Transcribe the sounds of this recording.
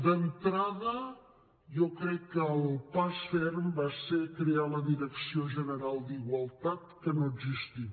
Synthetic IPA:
d̪ənt̪ɾaðə | jɔkɾɛkːəlˠpasfɛrmbasekɾealəðiɾəksioʒənəɾalˠd̪iɣwəlˠt̪at̪kənoəɡzist̪i

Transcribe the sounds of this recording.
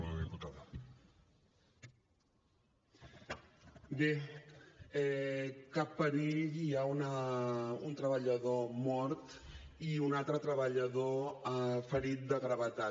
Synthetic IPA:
ðiput̪að | be | ɛkapːəɾiʎiaunə | unt̪ɾəβəʎəðomɔɾt̪iunalˠt̪ɾət̪ɾəβəʎəðo | fəɾit̪̚d̪əɣɾəβət̪a

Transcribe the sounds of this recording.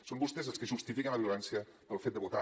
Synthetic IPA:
sombust̪ezəlˠskəʒust̪ifikənlβjulɛnsiə | ðəlˠfet̪̚d̪əβut̪a

